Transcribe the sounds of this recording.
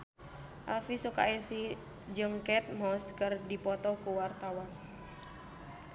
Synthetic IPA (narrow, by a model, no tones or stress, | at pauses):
ʔa̰lfisuka̰isi | d͡ʒɨŋkɛt̪̚mɔskɨrdipɔt̪ɔkuwart̪awan